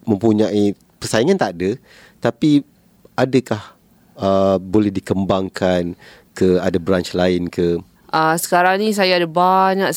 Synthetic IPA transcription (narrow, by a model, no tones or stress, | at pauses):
mə̃mpuɲaʔi | pərsaiŋant̪adə | t̪api | adakah | əbolɛhdikəmbaŋkʰan | kəadabɾant͡ʃlaɪnkə | ʔəsə̥kaɾaŋnĩs̬ajaːdabaɲaʔ